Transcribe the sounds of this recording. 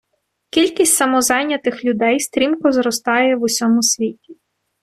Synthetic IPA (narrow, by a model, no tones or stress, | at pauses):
kʲilʲkʲisʲtʲsɐmɔzɑjnʲɐt̪ɪxlʲʊd̪ɛjst̪ɾʲimkɔzɾɔst̪ɑjɛʋʊsʲɔmʊsʲʋʲitʲi